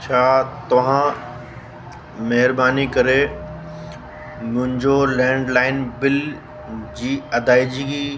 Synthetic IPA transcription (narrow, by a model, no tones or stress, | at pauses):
t͡ɕʰaːt̪ɐʋ̤ã | mɐɦɪɾbaːnikɐɾe | mʊ̃ɦɪ̃ɲd͡ʑolɛ̃ːɳɖlaːɪnbɪl | d͡ʑiːɐd̪aːid͡ʑiɡiː